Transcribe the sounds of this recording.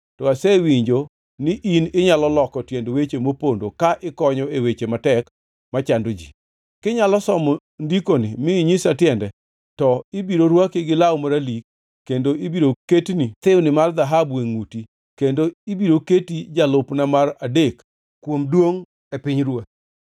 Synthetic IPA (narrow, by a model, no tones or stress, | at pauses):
tɔasɛwiɲd͡ʒo | nɪʔinɪɲalɔlɔkɔtjendowet͡ʃemopondokaʔɪkɔɲɔewet͡ʃematɛk | mat͡ʃandod͡ʒḭ | kɪɲalɔsɔmɔ | ndikonɪmɪɲɪsatjɛndɛ | tɔɪbiɾoɾwakɪɡɪlawmaɾalikː | endoibiɾoketnit̪ɪwnɪmard̪aɦabweŋuti | kendoibiɾoketid͡ʒalʊpnamaradek | kwomdwoŋ | ɛpɪɲɾwa